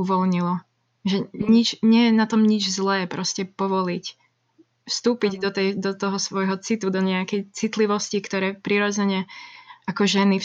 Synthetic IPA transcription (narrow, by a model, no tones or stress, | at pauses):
uʋɔlɲilɔ | ʒɛɲit͡ʃɲɪɛjɛnat̪ɔmɲid͡ʒzlɛːpɾɔscɛpɔʋɔlic | fst̪uːpiɟd̪ɔt̪ɛjd̪ɔt̪ɔɦɔsʋɔjɦɔt͡sit̪ud̪ɔɲɛakɛjt͡sit̪liʋɔscikt̪ɔɾɛːpɾiɾɔd͡zɛɲɛʔakɔʒɛni